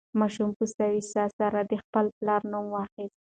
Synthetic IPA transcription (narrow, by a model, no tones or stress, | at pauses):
mɑʃumpust̪awisɑsaɾad̪əxpəlplɑɾnumwɑxist̪̚